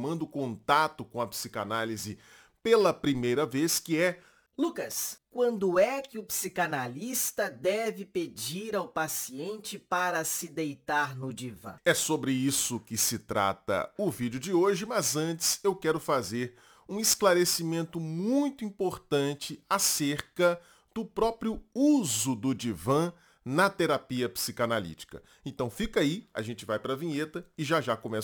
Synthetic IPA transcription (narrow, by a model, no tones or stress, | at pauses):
mɐ̃nd̪ʊkõnt̪at̪ʊkõɐpsika̰nalizɪ | pelɐpɾimejɾɐveskɪɛ | lukɐskwɐ̃nd̪ʊɛkɪʊpsikanalist̪ɐd̪ɛvɪped͡ʒiɾawpasiẽnt͡ʃɪpaɾɐsɪd̪ejt̪aɾnʊd͡ʒivɐ̰̃ɛsobɾɪisʊkɪsɪt̪ɾa̰t̪ɐ̰ʊvid͡ʒʊd͡ʒɪoʒɪmɐzɐ̃nt͡ʃɪ̥sewkɛɾʊfazeɾ | ũɪsklaɾesimẽnt̪ʊmũj̃t̪ʊĩpoɾt̪ɐ̃t͡ʃɪaseɾkɐ | d̪̥ʊpɾɔpɾjʊuzʊd̪ʊd͡ʒivɐ̃ | nɐt̪eɾapiɐpsikanalḭt͡ʃi̥kɐ̰ | ẽnt̪ɐ̃w̃fikaiɐ̰ʒẽnt͡ʃɪvajpɾɐvĩɲet̪ɐɪʒaʒakõmɛ